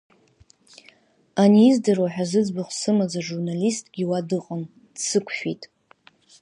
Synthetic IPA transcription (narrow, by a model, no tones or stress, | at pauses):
aniːzdɨrwaħᶣazɨd͡zbaχʷsɨmad͡zaʒurnalistʼɡʲiwadɨqʼən | d̥sɨkʷʰfʷᶣitʼ